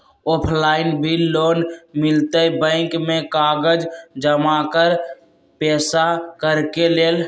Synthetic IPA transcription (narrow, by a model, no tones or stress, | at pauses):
oːpʰlaːɪnbʱilloːnmɪlt̪əbə̃ɪkmẽkaːɡəd͡ʒd͡ʒəmakəɾ | pɛːsakəɾkeleːl